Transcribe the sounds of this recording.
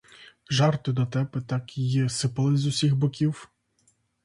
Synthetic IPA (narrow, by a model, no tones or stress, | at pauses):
ʒɑrt̪ɪd̪ɔt̪ɛpɛt̪ɑkjɛsɪpɐlˠɪzʊsʲiɣbɔkʲiw